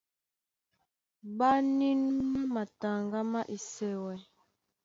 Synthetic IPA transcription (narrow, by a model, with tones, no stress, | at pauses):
ba˦ni˦n˦mu˦ma˨ta˨ŋɡa˦ma˦ʔi˨sɛ˨wɛ˨